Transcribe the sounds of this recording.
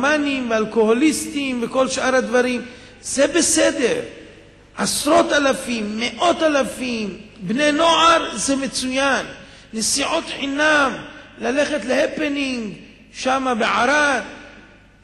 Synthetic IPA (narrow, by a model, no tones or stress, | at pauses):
manimvealko̞holist̪imveko̞lʃʔaɾhad̪vaɾim | zebesed̪eɾ | ʔasɾo̞t̪alafimːeʔo̞t̪alafimbne̞no̞ʕaɾzemet͡sujanː | esiʕot̪ħinamlaleχe̞t̪lehepeniŋɡ | ʃamabeʕaɾad̪